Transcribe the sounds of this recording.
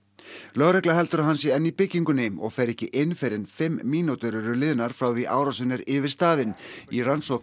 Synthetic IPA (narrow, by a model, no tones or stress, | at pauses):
lœɣɾɛhklahɛlt̪ʏɾaɦans̬ɪɛnːipɪcːiŋkʏnemɔ̰ɣfɛjɾɛhcɪʔɪnːfɪɾɪnfɪmːiːnut̪ʏɾʏɾʏlɪːðnaɾ̥fɾaːwðiʔa̰ːwɾasɪnːɪɾɪvɪ̥st̪aːðɪniransɔk